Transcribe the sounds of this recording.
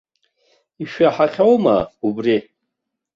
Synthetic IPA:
iʃᶣaħaχʲawma̰ubri

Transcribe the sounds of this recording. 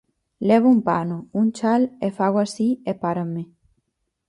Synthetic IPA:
leβ̞oumpanount͡ʃalefaɣwasiepaɾame

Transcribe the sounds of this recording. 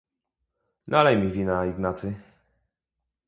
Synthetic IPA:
nalɛjmʲivʲinaiɡnat̪sɘ

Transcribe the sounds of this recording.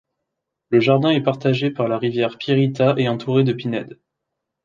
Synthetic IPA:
ləʒaʁd̪ɛ̃ɛpaʁt̪aʒepaʁlaʁivjɛʁpiʁit̪aʔeɑ̃t̪ʰuʁed̪əpinɛd̪

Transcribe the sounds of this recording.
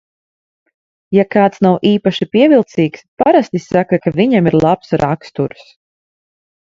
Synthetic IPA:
jakaːt̪snawʔiːpaʃipiɛvilˠt̪siːkspaɾast̪isːakakaviɲamiɾlˠapsɾakst̪uɾs

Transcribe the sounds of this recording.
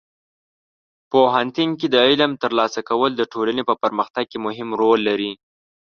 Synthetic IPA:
poɦant̪iŋked̪əɪlamt̪əɾlɑsakawəld̪əʈolanepəpəɾməxt̪aɡ̚kemʊɦɪmɾolːaɾi

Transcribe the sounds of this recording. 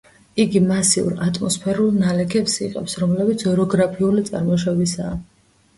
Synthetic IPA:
iɡimasiṵɾat̪ʼmɔspʰɛɾulˠnalɛkʰɛpsiqʼɛ̰psɾɔmlɛbit̪sʰɔɾɔɡɾapʰiulit̪sʼa̰ɾmɔʃ̬abisaː

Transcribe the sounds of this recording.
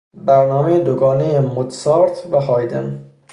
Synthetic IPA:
bæɾnɒːmejed̪oɡɒːnejemod̪sɒːɾt̪ʰvæɦɒːjd̪en

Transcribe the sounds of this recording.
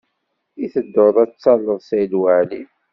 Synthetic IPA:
iθəd̪ːoðˤæt͡sːɑlːəðˤsæjlwæʕli

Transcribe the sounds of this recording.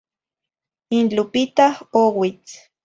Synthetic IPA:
int͡ɬupit̪ahowit͡s

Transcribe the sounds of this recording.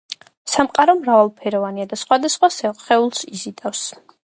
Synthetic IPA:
samqʼaɾɔmɾavalˠpʰɛɾɔvaniad̪asχwad̪asχwasɛχɛulˠsizit̪ʼafs

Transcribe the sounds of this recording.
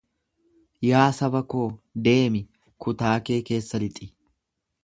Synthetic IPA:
jaːsɐbɐko̞ːd̪e̞ːmɪ | kʊt̪aːke̞ːke̞ːsːɐlɪt̪ʼɪ

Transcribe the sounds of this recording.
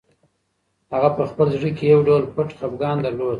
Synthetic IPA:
haɣapəxpəlzɽikejawɖawlpəʈxapɡɑnd̪aɾlod̪

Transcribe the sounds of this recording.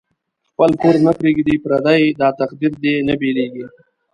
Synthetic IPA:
xpəlpuɾnəkɾiɡid̪ipɾad̪ajd̪ɑt̪aqd̪iɾd̪enəbeleɡi

